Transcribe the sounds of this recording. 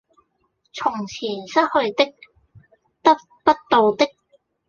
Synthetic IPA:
t͡sʰʊ˨˩ŋt͡sʰiː˨˩nsɐ˥t̚hɵ˧ɥt̪ɪ˥k̚ | t̪ɐ˥t̚ | pɐ˥t̚t̪o˨˧wt̪ɪ˥k̚

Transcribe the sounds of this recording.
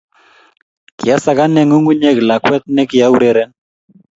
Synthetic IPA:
ki˨a˦sa˦ka˦nɛ˦ŋu˦ŋu˦ɲɛ˦kla˨kwɛ˦t̪̚nɛ˦ki˨ja˦u˦ɾɛ˦ɾɛ˦n

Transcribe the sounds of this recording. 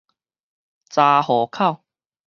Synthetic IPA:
t͡sa˧hɔ˨˩˦kʰa˥˧˨w

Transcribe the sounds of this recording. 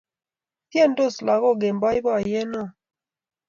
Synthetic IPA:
tje˦˨ndo˦˨sla˨ɣɔ˦˨ɡe˨mba˦jbɔ˦a˨je˦no˦˨

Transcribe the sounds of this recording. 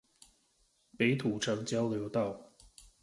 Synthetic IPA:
pe˨˧˥ɪt̪ʰu˨˩ʈ͡ʂʰɤ˧˥ŋt͡ɕjɑ˥ʊljo˧˥ʊt̪ɑ˥˩ʊ

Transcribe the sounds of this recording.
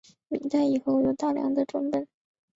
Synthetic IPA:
mḭ˨˩ŋt͡s̪a˥˩ɪi˨˩xo˥˧ʊjo˨˩ʊt̪ɑ˥˩ʊljɑ̰˧˥ŋd̪ə˧ʈ͡ʂwə˧˥npə˨˩˦n

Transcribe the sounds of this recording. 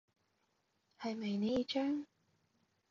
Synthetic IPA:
hɐ˨jmɐ˨jne˨˧ji˨˧t͡ʃœː˥ŋ

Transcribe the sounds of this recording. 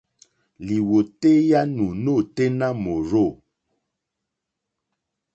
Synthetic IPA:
li˨wo˨te˦ja˦nu˨no˦˨te˦na˦mo˨ɾo˦˨

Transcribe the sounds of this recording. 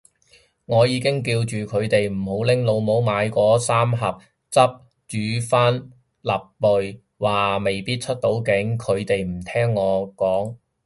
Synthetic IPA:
ŋɔː˨˧jiː˨˧kɪ˥ŋk̬iː˧wt͡ʃyː˨kʰɵ˨˧ɥt̪e˨jm̩˨˩ho˨˥wlɪ˥ŋlo˨˧wmo˨˥wmaː˨˧jkɔː˨˥saː˥mɦɐ˨p̚ | t͡sɐ˥p̚ | t͡ʃyː˨˥faː˥n | lɐ˨p̚ːɵ˨ɥ | waː˨me˨jpiː˥t̚t͡ʃʰɵ˥t̚t̪o˨˥wkɪ˨˥ŋkʰɵ˨˧ɥt̪e˨jm̩˨˩t̪ʰɛː˥ŋːɔː˨˧kɔː˨˥ŋ

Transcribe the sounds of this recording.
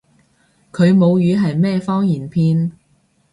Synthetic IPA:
kʰɵ˨˧ɥmo˨˧wjyː˨˧ɦɐ˨jmɛː˥fɔː˥ŋjiː˨˩npʰiː˧n

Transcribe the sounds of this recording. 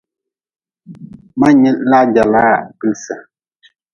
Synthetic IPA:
ma˦ɲɛ˦ʔla˦d͡ʒa˨la˦˨pi˦lsa˨

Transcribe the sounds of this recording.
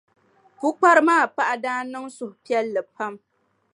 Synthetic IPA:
ku˦k͡pa˦ɾɨ˦maː˦˨pa˦ʔa˦daː˦nɨ˦ŋsʊ˨hʊ˨pi˦ɛ˦lːɨ˨pa˦m

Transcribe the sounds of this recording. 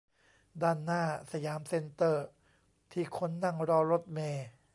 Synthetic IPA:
daː˧˩nːaː˥˩sa˧jaː˩˦mse˧nt̪ɤː˥˩ | t̪ʰiː˧˩kʰo˧˥nːa˧˥˩ŋɾɔː˧ɾo˦˥t̪̚meː˧

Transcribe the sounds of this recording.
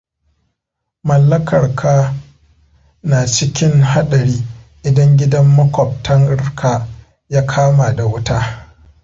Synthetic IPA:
mɐ˨lːɐ˦kʰɐ˨rkʰaː˦ | naː˨t͡ʃɪ˦kʲɪ˦ŋɦa˦ɗɐ˨ɾiː˦ʔɪ˨dɐ˦ŋɡʲɪ˦dɐ˦mːɐ˦kʷɔ˨p̚tɐ˦ŋɪ˦rkʰa˨ | jaː˦kʰaː˦ma˨da˨wʊ˦taː˦

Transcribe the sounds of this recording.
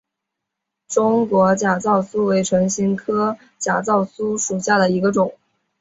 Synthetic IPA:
ʈ͡ʂʊ˥ŋkwɔ˧˥t͡ɕja˨˩t͡sɑ˥˩ʊsu˥we˧˥ɪʈ͡ʂʰɤ˧˥ŋɕi˥nkʰɤ˥ | t͡ɕja˨˩t͡sɑ˥˩ʊsu˥ʂu˨˩ɕja˥˩d̪ə˩i˧˥ɡə˧ʈ͡ʂʊ˨˩˦ŋ

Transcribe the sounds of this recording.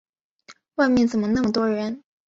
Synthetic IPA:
wa˥˧ɪmjɛ˥˩nt͡sə˨˩nmə˦na˥˩mə˨˩t̪wɔ˥ɻə˧˥n

